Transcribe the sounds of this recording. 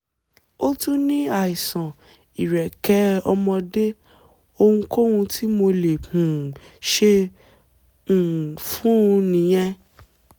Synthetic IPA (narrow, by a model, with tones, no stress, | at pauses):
o˦tũ˦nĩ˦a˦˨i˨sã˨ | i˨ɾɛ˨kɛ˨˦ɔ˧mɔ̃˧de˦ | o˧hũ˧ko˦hũ˧tʰi˦mo˧le˨hũ˨ | ʃe˧˨ | fũ˨˦˧nĩ˨˦j̃ɛ̃˧